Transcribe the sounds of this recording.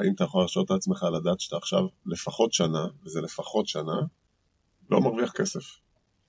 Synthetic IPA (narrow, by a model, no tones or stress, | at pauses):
aʔimat̪ajaχo̞laʃot̪at͡sme̞χalad̪aːt̪ʃḁt̪aːχʃa̰vle̞faχo̞t̪ʃanavezele̞faχo̞t̪ʃana | lo̞̰maʁviaχke̞se̞f